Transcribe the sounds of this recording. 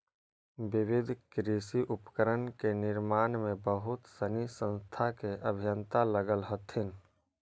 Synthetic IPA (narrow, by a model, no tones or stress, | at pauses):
bɪʋɪd̪ʱkɾiːsiʔʊpkəɾənkenɪɾmaːnmẽbəɦʊt̪sənisə̃nst̪ʰakeʔəbʱɪjənt̪aləɡəlɦət̪ʰɪn